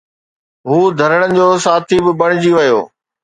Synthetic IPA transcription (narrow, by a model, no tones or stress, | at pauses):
ɦuːd̪ʱɐɾəɽ̃ənɪ̆d͡ʑoːsaːt̪ʰibɪbɐɽ̃ɪ̆d͡ʑiʋɐjo̰ː